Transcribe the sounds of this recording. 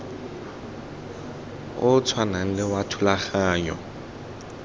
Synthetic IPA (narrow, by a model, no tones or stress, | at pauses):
ʊt͡sʰwanaŋ̩lɪwatʰʊlaχaːɲɔ̰